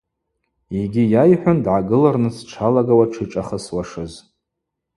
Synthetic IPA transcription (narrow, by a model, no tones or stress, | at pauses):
iɡʲijajħʷᶣandʕaɡɨlarnɨt͡sʰʈ͡ʂʰalaɡawaʈ͡ʂʰiʈ͡ʂʼaχəswaʂɨz